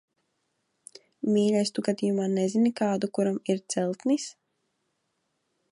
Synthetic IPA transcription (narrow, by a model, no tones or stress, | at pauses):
mʲiːlʲajst̪uɡad̪iːjumaːnɛzʲinikaːd̪ukuɾamiɾt̪sɛlˠt̪nis